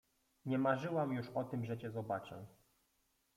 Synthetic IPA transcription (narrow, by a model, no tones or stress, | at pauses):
ɲɛmaʐɘwamjuʂɔt̪ɘmʐɛt͡ɕɛzɔbat͡ʂɛ̰